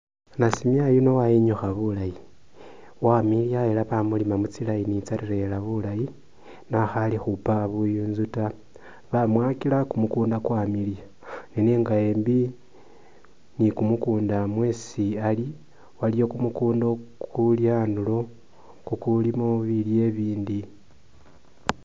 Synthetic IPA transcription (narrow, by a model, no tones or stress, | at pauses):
nasimjajino̞wajiɲuxaβulaji | wamiljaelaβamulimamut͡silajinit͡saɾiɾe̞laβulaji | naxalixupaβujunzuta | βamwaːkilakumukuːndakwamilja | nineːŋɡae̞ːmbi | nikumukuːndamwe̞siali | walijo̞kumukuːndo̞kʰuljaːnulo̞ | kukulimoβilje̞βiːndi